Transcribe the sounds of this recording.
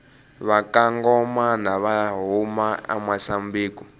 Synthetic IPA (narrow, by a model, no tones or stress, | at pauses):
βakaŋɡɔmanaβaɦumaa̰masambiːku